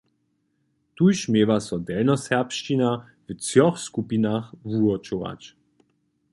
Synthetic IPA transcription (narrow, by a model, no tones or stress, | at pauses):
t̪ujʃmeːvasɔdɛlnɔshɛɐpʃt͡ɕina | vət͡sjɔχskupinaχvuɔt͡ʃoa̰t͡ɕ